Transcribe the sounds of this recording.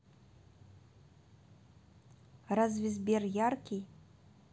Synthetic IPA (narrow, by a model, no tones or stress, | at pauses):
razvʲizʲbʲɛrjarkʲij